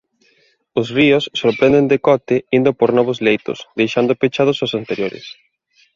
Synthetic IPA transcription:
osriʊsːoɾpɾẽnd̪end̪ɪkɔt̪ɪind̪ʊpoɾnɔβ̞ozlejt̪ʊ̰sd̪ejʃand̪ʊpet͡ʃaðʊsosant̪eɾjoɾɪ̰s

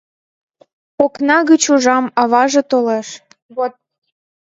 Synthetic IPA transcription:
oknɑɣət͡ɕuʒɑmɑβɑʒet̪oleʃ

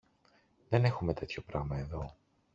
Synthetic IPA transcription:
ðe̞ne̞xume̞t̪e̞t̪ço̞pɾɐ̰ɣmɐe̞ðo̞

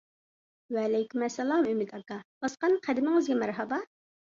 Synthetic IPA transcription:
wɛːlɛjkʲymæsːɛlˠɑmymɪd̪ɑkɑb̥ɑsqɑnqʰæd̪ɪmɪŋɨzɡʲɛmæɾɦɑbɑ

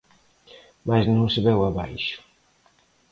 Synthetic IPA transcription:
maznõŋsɪβɛwaβa̰jʃʊ̥

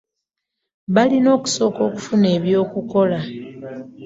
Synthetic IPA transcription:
βalino̞ːku̥so̞ːko̞ːku̥fune̞ːβjo̞ːkuko̞la

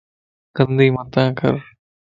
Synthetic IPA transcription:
kənd̪iːmət̪ãːkə̰ɾ

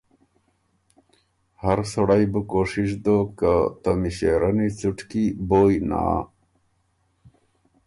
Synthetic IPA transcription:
hɐɾsoɽajbukoːʂiʂd̪okat̪ɐmiɕeːɾɐnit͡suʈkiboːjna̰ː

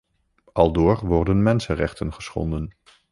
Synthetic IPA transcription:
ʔɑlˠdʊːɹʋɔɹdənmɛnsənrɛχtənχəsχɔ̰ndən

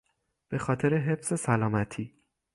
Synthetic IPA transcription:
b̥e̞xɒːt̪ʰe̞ɾeɦe̞fse̞sælɒːmæt̪ʰiː

